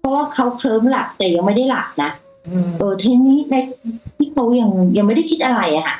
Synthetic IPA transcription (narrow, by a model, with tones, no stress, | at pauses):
pʰɔ˦˥waː˥˩kʰa˦˥wkʰlɤː˦˥mla˨˩k̚t̪ɛː˨˩ja˧ŋma˥˩jda˥˩jla˨˩k̚na˦˥ʔ | ʔɤː˨˩t̪ʰiː˧˥niː˦˥na˧˩˧t̪ʰiː˥˩kʰa˦˥wja˧ŋja˧ŋma˥˩jda˥˩kʰi˦˥t̪̚ʔa˧ɾa˧jʔa˨˩kʰa̰˧˥˩ʔ